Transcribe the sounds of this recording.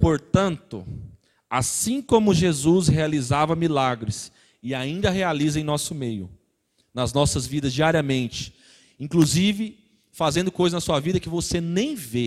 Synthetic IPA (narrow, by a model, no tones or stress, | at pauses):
poɾt̪ɐ̃nt̪ʊ | asĩkõmʊʒezushealizavɐmilaɡɾɪs | ɪaĩnd̪ɐɦealizɐẽj̃nɔsʊmejʊ̰ | nɐznɔsɐzvid̪ɐzd͡ʒiaɾiɐmẽnt͡ʃɪ̥ | ĩkluzivɪ | fazẽnd̪ʊkojzɐznɐsuɐvid̪ɐkɪvosenẽj̃ve